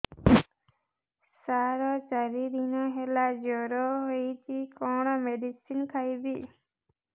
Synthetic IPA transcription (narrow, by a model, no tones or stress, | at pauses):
saɾɔt͡ʃaɾid̪inɔɦelad͡ʒɔɾɔɦojt͡ʃʰikɔɽ̃ɔmeɖisinkʰajbi